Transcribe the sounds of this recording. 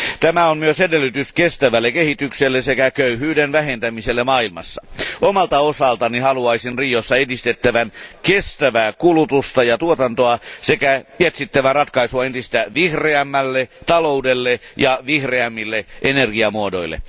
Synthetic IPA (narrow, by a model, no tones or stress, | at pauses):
t̪æmæonmyøsedelːˑyt̪yskest̪æʋælːekehit̪ykselːesekækøyhyːdenʋæhent̪æmiselːemɑːilmɑ̰sːɑʔomɑlt̪ɑosɑlt̪ɑnihɑluɑisinriːjosːɑedist̪et̪ːæʋænkest̪æʋæːkulut̪ust̪ɑjɑt̪uot̪ɑnt̪oɑsekæjet̪sit̪ːæʋærɑt̪kɑisuɑent̪ist̪æʋihreæmːælːet̪ɑloudelːejɑʋihreæmːilːeʔenerɡiɑmuodo̰ilːḛ